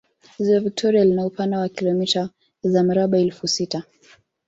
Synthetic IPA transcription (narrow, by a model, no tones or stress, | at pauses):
hizilɔvik̚tʰɔɾialinaupandawakilɔmita | zam̩ɾaɓaɛlfusita